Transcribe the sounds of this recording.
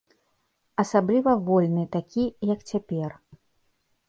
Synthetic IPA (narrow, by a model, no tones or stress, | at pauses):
ɐsablʲivɐvɔlʲnɨt̪akʲijɐkt͡sʲapʲɛr